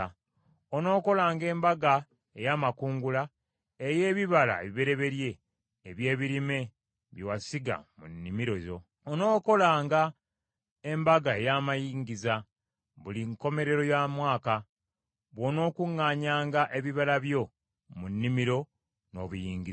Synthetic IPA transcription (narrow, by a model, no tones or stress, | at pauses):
ono̞ːko̞laːŋɡe̞ːmbaɡa | e̞jaːmakuːŋɡula | eje̞ːβiβala̰eβiβe̞ɾe̞βe̞ɾje̞ː | βje̞ːβiɾime̞ | βjowasiɡa̰munːimiɾozoː | no̞ːko̞laːŋɡa | e̞mbaɡae̞jamajiːŋɡiza | βuliŋko̞me̞ɾe̞ɾo̞jamwaːka | βwo̞no̞ːkuŋːaːɲaːŋɡaʔe̞βiβalaβjo̞ | munːimiɾo̞ | no̞βujiːŋɡi